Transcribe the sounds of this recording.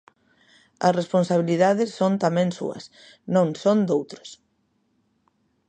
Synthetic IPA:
ɐsresponsaβ̞iliðaðɪsːõnt̪amɛ̃ŋsṵɐ̰s | nõŋsõnd̪owt̪ɾo̥s

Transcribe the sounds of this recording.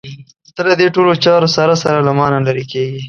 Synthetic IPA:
t̪alad̪eʈolot͡ʃɑɾosaɾasaɾalamɑnalaɾikeɡi

